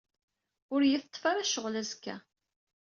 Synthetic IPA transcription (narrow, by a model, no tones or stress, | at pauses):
ʊɾjəθt̪ˤːfaɾæʃəʁlæzkːæ̰